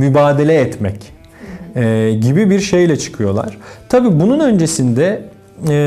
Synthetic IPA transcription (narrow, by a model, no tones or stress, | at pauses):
mybaːd̪elʲɛːt̪mɛc | ɛɟibibiɾʃe̞jlʲɛt͡ʃʰɯ̥kʰɯjo̞lˠa̰ɾ̥t̪ʰabiːbununø̞nd͡ʒe̞sind̪ɛ